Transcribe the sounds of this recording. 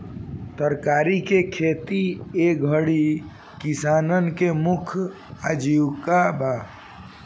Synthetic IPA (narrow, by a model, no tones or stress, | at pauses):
t̪əɾkaːɾikekʰeːt̪iekbʱəɽi | kɪsaːnənkemʊkʰ | əd͡ʒiːwkabaː